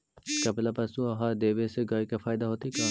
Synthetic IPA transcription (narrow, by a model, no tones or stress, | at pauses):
kɐplapɐsuɦɐɾd̪eːʋeseɡaːikafaːɪd̪aɦoːt̪ika